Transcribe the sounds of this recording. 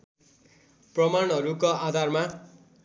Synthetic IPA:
prʌmanɦʌɾukoad̪ʱarma

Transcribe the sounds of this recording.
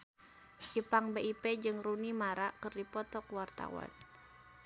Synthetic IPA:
d͡ʒipaŋbeiped͡ʒɨŋɾunimaɾakɨrdipɔt̪ɔkwart̪a̰wa̰n

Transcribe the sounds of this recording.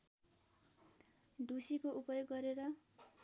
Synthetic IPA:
ɖusikoupʌjoɡːʌɾeɾʌ

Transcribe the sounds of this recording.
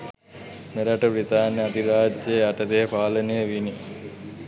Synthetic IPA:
meɾɐʈəpɾit̪aːnjɐɐd̪iɾaːdjejaʈɐd̪epaːlɐnejəʋini

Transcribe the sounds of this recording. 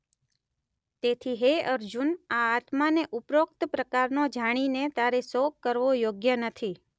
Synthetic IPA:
t̪et̪ʰiɦeəɾd͡ʒunaːt̪maneʔupɾokt̪əpɾəkaɾnod͡ʒaɽ̃inet̪aɾesokːəɾʋojoɡjənət̪ʰi

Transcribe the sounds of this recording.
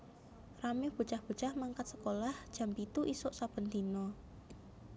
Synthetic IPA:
ramɪhb̥ṳt͡ʃahb̥ṳt͡ʃahmaŋkat̪̚sə̥kolahd̥ʒ̥a̤mpit̪uʔisʊʔsabənd̪inɔ

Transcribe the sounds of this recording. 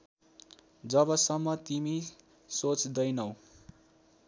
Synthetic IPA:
d͡zʌbʌsʌmːʌt̪imi | sot͡sd̪ʌjnʌw

